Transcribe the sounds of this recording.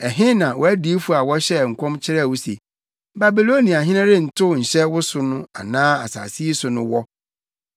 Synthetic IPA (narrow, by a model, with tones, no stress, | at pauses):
ɛ˨ɦɪ̃˦nã˨wʔɔ˨æ˦di˦fu˨a˨wɔ˦ɕɛ˦˨ŋ̩˨kʷʰɔ̃˦mt͡ɕʰɪ˦ɾɛ˦˨wʊ˦se˨ | ba˨bi˨lo˦nĩ˨a˨ɦɪ̃˦nã˦ɾɪ˦n̩˨tʰʊ˦˨ɲ̩˨ɕɛ˦wʊ˦sʊ˦nʊ̃˦a˨nãː˦a˨sa̰ː˨si˦i˦sʊ˨nʊ̃˦wɔ˦